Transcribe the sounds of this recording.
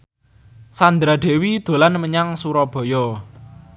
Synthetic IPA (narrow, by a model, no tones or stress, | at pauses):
sand̪ɾaɖ̪̥e̤wid̪̥o̤lanməɲaŋsuɾɔb̥ɔ̤jɔ